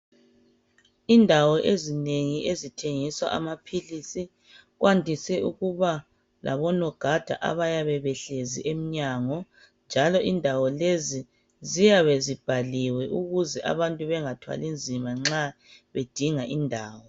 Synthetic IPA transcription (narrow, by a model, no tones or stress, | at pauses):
indʱawɔʔezineŋiʔezitʰeŋiswa̰ʔa̰mapʰilisi | ɣwʔantʼisɛuɣuβa | lʔa̰βɔnɔɡ̥ʱad̥ʱa̰ʔa̰βajaβɛβɛɬeziʔem̩ɲaŋɔ | nd͡ʒʱalɔʔindʱawɔlezi | zijaβezib̥ʱaliwɛʔuɣuzɛʔa̰βantʼuβɛŋatʰwa̰lind͡zʱimaŋ͡ǁa | βed̥ʱiŋaʔindʱaːwɔ